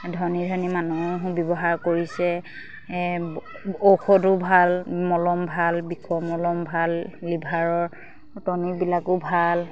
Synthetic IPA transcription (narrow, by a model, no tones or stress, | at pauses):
dʱɔnidʱɔnimanubjɔbɔɦaɹkoɹisɛ | okʰɔtʊbʱalmɔlɔmbʱalbikʰɔmɔlɔmbʱalːibʱaɹɔɹ | tɔnibilakʊbʱal